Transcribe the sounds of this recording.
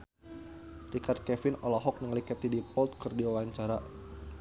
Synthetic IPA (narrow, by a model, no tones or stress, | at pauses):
rikard̪̚kɛfɪnɔlɔɦɔk̚nəŋlikat̪idipɔlt̪̚kɨrdiwawaɲt͡ʃaɾa